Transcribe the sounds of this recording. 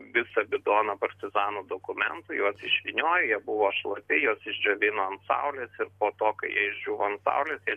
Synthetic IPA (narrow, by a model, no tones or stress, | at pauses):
ʋʲɪsɐbʲɪd̪oːnɐpɐɾʲt̪ʲɪzɑːnuːd̪oːkʊmʲɛ̰nt̪ʊjuɔsɪʃʲʋʲɪnʲoːjʊjiɛbʊʋoːʃlˠɐpʲɪjoːsɪʒʲd͡ʒʲoːʋʲɪnoːɐnt̪sɐ̰ʊlʲeːsɪɾpoːt̪oːkɐɪjiɛɪʒʲd͡ʒʲuːʋoːɐnt̪sɐ̰ʊlʲeːsjiɛ